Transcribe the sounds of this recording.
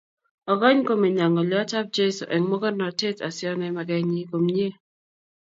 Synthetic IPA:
ɔ˨ɡɔ˦ɲko˦˨mi˨ɲa˨ŋɔ˨ljɔ˦ta˦p̚d͡ʒe˦so̰˨ʔɛ˨ŋmɔ˦ɡɔ˦na˨te˦ta̰˨sɪ˦ɔ˦nɛ˦ma˨ɡɛ˦ɲi˦ko˨mɲe˦

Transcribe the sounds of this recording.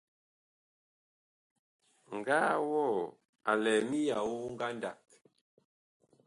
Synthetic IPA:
ŋ̩˨ɡaː˦wɔ˦˨ | a̰˨lɛ˨mi˦ja˨wu˦ŋ̩˦ɡa˦nda˨k̚

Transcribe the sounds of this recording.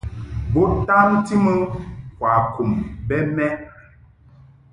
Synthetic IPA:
bo˦ta˦nti˦mə˦kwa˨ku˨mbɛ˦mɛ˦ʔ

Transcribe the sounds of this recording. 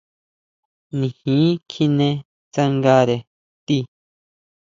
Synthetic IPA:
nĩ˨hĩ˨˦kʰi˦˧nẽ˧ | t͡sa˧ŋɡa˧ɾe˨ | t̪i˦˧

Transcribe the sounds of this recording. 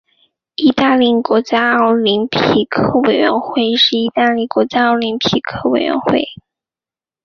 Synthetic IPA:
i˧˥t̪a˥˧li˥˩kwɔ˧˥t͡ɕja˥ə˧˥˩ʊli˧˥npʰi˧˩kʰɤ˥we˨˩ɪɥɛ̰˧˥nxwe˥˩ɪʂɻ̩˥˩i˧˥t̪a˥˧li˥˩kwɔ˧˥t͡ɕja˥ɑ˧˥ʊli˧˥npʰi˨˩kʰɤ˥wḛ˨˩ɪɥɛ̰˧˥nxwe˥˩ɪ

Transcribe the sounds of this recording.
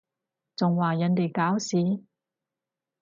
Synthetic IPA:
t͡sʊ˨ŋwaː˨jɐ˨˥nt̪e˨jkaː˨˥wsiː˨˧˥

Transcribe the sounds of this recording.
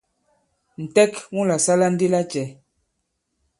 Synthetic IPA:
n̩˨tɛ˦kŋu˦la˨sa˦la˦n̩˦di˦la˦t͡ʃɛ˨

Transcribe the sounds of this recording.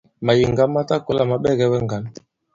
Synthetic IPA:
ma˨ji˨ŋɡa˦mːa˦ta˦ko˨˦la˦˨ma˨ɓɛ˦˨ɡɛ˦wɛ˦ŋɡa˨˦n

